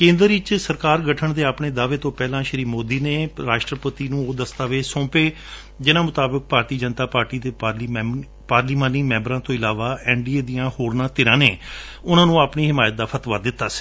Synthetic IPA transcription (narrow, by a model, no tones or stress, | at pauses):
kẽːnd̪əɾɪt͡ʃsəɾkaːɾɡəʈʰəɳd̪eːaːpɳeːd̪aːʋeːt̪õːpɛːlãːʃəɾiːmoːd̪iːneːɾaːʃʈɾəpət̪iːnũːoːd̪əst̪aːʋeːsɔ̃ːpeː | d͡ʒɪnãːmʊt̪aːbək̚paːɾt̪iːd͡ʒənt̪aːpaːɾʈiːd̪eː | paːɾliːmaːniːmɛ̃mbɾãːt̪õːɪlaːʋaːɛːɳɖiːeːd̪ijãːhoːɾnãːt̪ɪɾãːneː | ʊnãːnũːaːpɳiːɦɪmaːjət̪̚d̪aːpʰət̪ʋaːd̪ɪt̪ːaːsi̥ː